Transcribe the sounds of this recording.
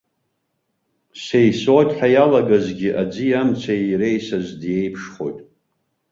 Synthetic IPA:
sejsotʼħajalaɡazɡʲɪʔad͡zɨjamt͡sʷʰajɾejsazdjejpʰʂχo̞̰jtʼ

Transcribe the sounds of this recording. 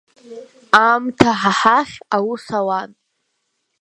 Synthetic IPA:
amtʰaħaħaχʲawusawan

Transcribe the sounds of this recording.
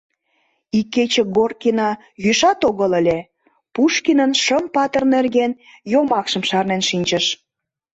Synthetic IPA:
ikːet͡ɕeɡorkinɑ | jyʃɑt̪oɣələ̆lʲe | puʃkinənʃəmpɑt̪ə̆rnerɣen | jomɑkʃə̆mʃɑrnenʃinʲt͡ɕəʃ

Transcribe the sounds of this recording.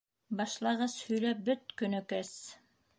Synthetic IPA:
bɑʃlˠɑʁɤzhɵ̆jlæp̚bɵt̪̚kɵ̆nɵ̆kɘs

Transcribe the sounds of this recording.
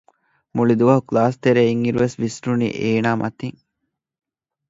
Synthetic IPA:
muɭid̪uʋɐɦuklaːst̪eɾeːiŋiɾuʋesʋisɾunḭːʔeːnaːmʔɐ̰t̪iŋ

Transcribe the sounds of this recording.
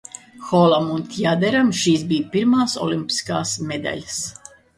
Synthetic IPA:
xɔlˠamunt̪ʲjad̪ɛɾamʃiːsbijpiɾmaːsɔ̰lˠimpʲi̥ska̰ːsmed̪a̰ʎʲs

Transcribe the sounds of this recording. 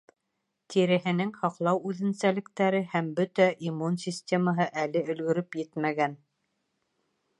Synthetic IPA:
t̪ʰiɾɘ̆ɦɘ̆nɘŋhɑqlˠɑwʉðɘ̆nsælɘ̆kt̪æɾɘhæmbɵt̪æʔimunsʲisʲt̪ʲeməɦɤʔælɘʔɵ̆lɡɵ̆ɾɵpjɘt̪mæɡæn

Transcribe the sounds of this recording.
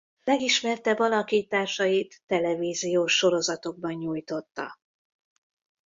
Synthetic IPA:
lɛɡiʃmɛrt̪ɛbɒlɒkiːt̪ːaːrʃɒjit̪ːɛlɛviːzijoːʃːo̞ɾo̞zɒt̪o̞ɡ̚bɒɲːuːjt̪o̞t̪ːɒ̰

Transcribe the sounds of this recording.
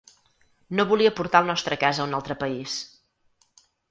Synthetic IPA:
noβuliəpuɾt̪alˠnɔst̪ɾəkazəunalˠt̪ɾəpəis

